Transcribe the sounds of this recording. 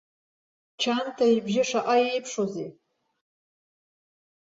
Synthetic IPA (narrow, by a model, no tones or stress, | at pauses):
t͡ʃʰantʰairbʒɪʂaʔʼajejpʰʂoze